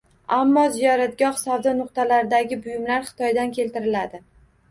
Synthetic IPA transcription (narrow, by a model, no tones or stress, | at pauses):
amːɒzijɒɾat̪̚ɡʲɒhsawd̪ɒnʊq̚t̪alaɾɪd̪aɡʲɪbʊjɪmlaɾχɨ̥t̪ʰɒjd̪ankʲʰe̞lt̪ɪɾɪlad̪ɪ